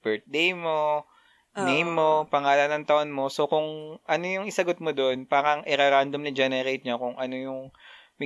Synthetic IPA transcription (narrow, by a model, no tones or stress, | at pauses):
b̥ɛɹt̪̚d̪ejmo | nejmːo̞pɐŋaːlɐnɐŋt̪ɐʔonmo̞so̞kʊŋʔɐno̞jʊŋɪsɐɡot̪̚mod̪oʔnpaːɾɐŋʔɪɾɐɾand̪ɐmnɐd͡ʒɛnɛɾejt̪̚ɲokʊŋʔɐno̞jʊŋ | mɪ